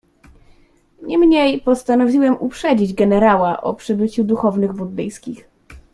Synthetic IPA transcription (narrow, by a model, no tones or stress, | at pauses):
ɲɛmɲejpɔst̪anɔvʲiwɛmʔupʂɛd͡ʑid͡ʑɡɛnɛɾawaʔɔ̰pʂɘbɘt͡ɕud̪uxɔvnɘɣbud̪d̪ɘjskʲix